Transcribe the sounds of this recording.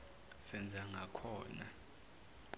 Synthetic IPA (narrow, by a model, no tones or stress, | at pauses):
sɛnd͡zʱaŋɡʱakʰɔːna